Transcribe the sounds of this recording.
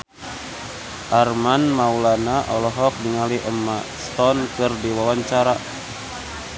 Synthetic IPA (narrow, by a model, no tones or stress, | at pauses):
ʔarmanmaulanaʔɔlɔɦɔk̚diŋaliʔɛmːast̪ɔnkɨrdiwawaɲt͡ʃaɾa